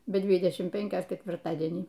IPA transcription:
bʲɛ ˈdʲʋʲɪdʲɛʃʲɪm ˈpʲɛŋʲkʲoːs kʲɛtʲʋʲɪrˈtɑːdʲiɛnʲiː

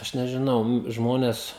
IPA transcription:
ˈɐʃ nʲɛʒʲɪˈnɐʊ ˈnʊ ˈʒmoːnʲɛs

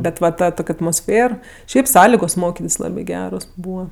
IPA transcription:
ˈbʲɛt ʋɐ ˈtɐ ˈtoːkʲ ɐtmoːsʲˈfʲeːr ˈʃʲɛɪp ˈsɑːlʲɪɡoːs ˈmoːkʲɪtʲɪs ˈlˠɑːbʲɪ ˈɡʲæːroːs ˈbuːʋɐ

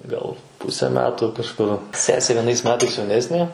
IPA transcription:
ˈɡɐlˠ ˈpʊsʲɛ ˈmʲæːtʊ kɐʃˈkʊr ˈsʲæːsʲeː ʋʲiɛˈnɐɪs ˈmʲæːtɐɪs jɛʊˈnʲæːsʲnʲeː

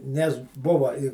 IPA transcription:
nʲɛs ˈbʊʋɐ ɪ

